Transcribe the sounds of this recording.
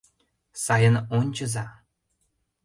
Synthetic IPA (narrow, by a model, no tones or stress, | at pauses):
sɑjə̆nonʲt͡ɕə̆zɑ